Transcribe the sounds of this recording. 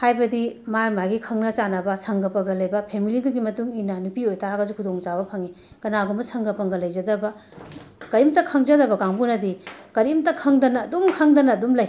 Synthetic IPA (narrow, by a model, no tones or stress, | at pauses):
hajbɐdimajmaɡikʰɐŋnɐt͡ʃanɐbɐsʰɐŋɡɐpɐɡɐlɐjbɐpʰemiliduɡimɐtuŋinɐnupiojtʰaɡɐzukʰudoŋt͡ʃabɐpʰɐŋi | kɐnaɡumɐsʰɐŋɡɐpɐŋɡɐlɐjzɐdɐbɐ | kɐɾimtɐkʰɐŋzɐdɐbɐɡaŋbunɐdikɐɾimtɐkʰɐŋdɐnɐːdumkʰɐŋdɐnɐːdumlɐj